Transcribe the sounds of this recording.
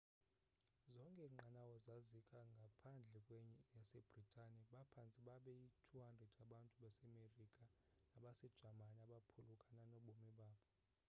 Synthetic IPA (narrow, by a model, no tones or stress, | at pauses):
zɔŋkʼɛŋ͡ǃanawɔzazikʼaŋɡʱapʰand͡ɮʱɛkʼweɲɛjasɛb̥ritʼaniɓapʰant͡sʼiɓaɓɛitʰuɦandrɛdʱaɓantʼuɓasɛmerikʼa | naɓasɛd̥ʒ̥ʱamaniaɓapʰulukʼananɔɓomiɓaːɓɔ